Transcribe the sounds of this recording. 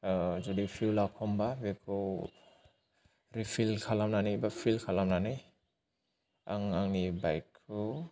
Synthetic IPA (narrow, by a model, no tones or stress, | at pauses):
d͡ʒudipʰiwlakʰɔmbabekʰɯw | ɾipʰilkʰalamnanijbapʰilkʰalamnanaj | aŋaŋnibajkʰːu